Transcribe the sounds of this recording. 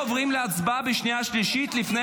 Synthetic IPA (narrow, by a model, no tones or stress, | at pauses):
ovʁimleat͡sbabeʃnijaʃliʃit̪lifne